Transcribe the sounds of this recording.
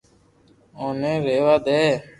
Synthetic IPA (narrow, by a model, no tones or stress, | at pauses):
oːnẽːɾeːʋaːd̪eː